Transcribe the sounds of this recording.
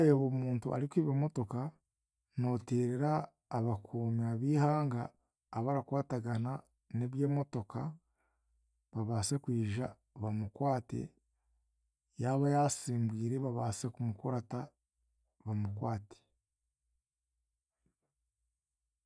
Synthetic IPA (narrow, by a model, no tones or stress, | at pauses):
joβomuːntuʔa̰ɾikiβimo̞to̞ka | no̞ːteːɾeɾaː | βakʰoːmiaβiːhaːŋɡaː | βaɾakwaːtaɡana | ne̞βje̞ːmo̞to̞ka | βaβaːse̞kwiːʒa | βamukwaːte̞̰ | jaβajasiːmbwiːɾe̞βaβaːse̞kumukoɾata | βamukwaːte̥